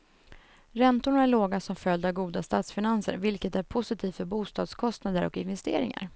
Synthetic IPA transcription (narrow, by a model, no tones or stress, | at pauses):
ɾɛnt̪ʊɳaæɭoːɡasɔmfœld̪avɡuːd̪ast̪ɑːt̪sfɪnansə̰ɾvɪlkət̪æɾpʰʊsɪt̪ʰiːt̪fœɾbuːst̪ɑ̰ːd̪skʰɔst̪nad̪əɾʔɔ̰kɪnvɛst̪ḛːɾɪ̰ŋa̰ɾ